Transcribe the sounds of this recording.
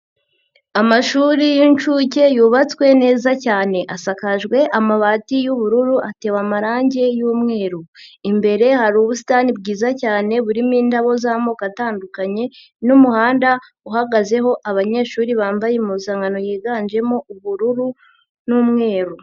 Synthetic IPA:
amaʃuːɾijint͡ʃuce̞juːβat͡swe̞ne̞ːzacaːne̞ʔasakaʒɡwe̞ʔamaβaːtijuβuɾuɾuʔate̞ːwamaɾaːɲɟe̞juːmŋe̞ːɾuimbe̞ɾe̞haɾuβusi̥tanibɡiːzacaːne̞βuɾimiːndaβo̞zaːmokataːndukaɲe̞ | numuhaːnda | uhaɡaze̞ɦo̞ʔaβaɲe̞ːʃuːɾiβaːmbajemuzaːŋɡano̞jiːɡand͡ʒe̞mouβuɾuɾu | numŋe̞ːɾu

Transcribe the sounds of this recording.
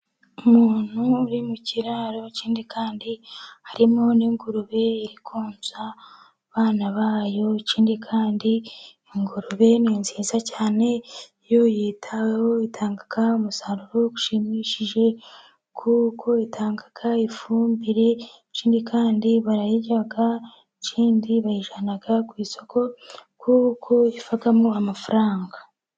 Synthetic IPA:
umuːn̥huːɾimuciɾaːɾo̞ciːndikʰaːndihaɾimo̞niŋɡuɾuβe̞iɾikʰoːnza | βaːnaβaːjo̞ciːndikʰaːndiː | ŋɡuɾuβe̞ninziːzacaːne̞ | jojiːtʰawhoitʰaːŋɡakaomusaɾuɾoku̥ʃimiʃiʒe̞ | kʰuːkʰo̞itʰaːŋɡakʰaifuːmbiɾe̞ | ciːndikʰaːndiβaɾajiɟaɡa | ciːndiβaiʒanaɡakwiːso̞kʰo̞kʰuːkʰo̞ifaɡamoamafuɾaːŋɡa

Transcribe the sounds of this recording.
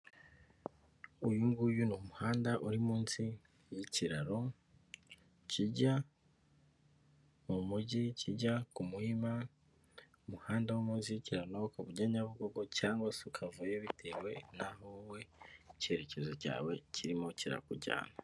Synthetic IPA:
ujuŋɡujunumuhaːndaʔuɾimuːnsi | jiciɾaɾo̞ | ciɟa | mumuɟicʰiɟakumuima | umuhaːndawomuːnsijiciɾaɾonokaβuɟaɲaβuɡoɡo̞caːŋɡwasukʰavujeβitʰewe̞naɦowe̞ce̞ɾe̞ce̞zo̞ca̰ːwe̞cʰiɾimociɾa̰kuɾɟa̰ːna

